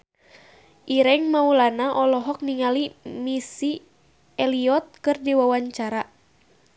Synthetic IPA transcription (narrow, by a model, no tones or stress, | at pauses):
ʔiɾɛŋmaulanaʔɔlɔɦɔk̚niŋalimisi | ɛliɔt̪̚kɨrdiwawaɲt͡ʃaɾa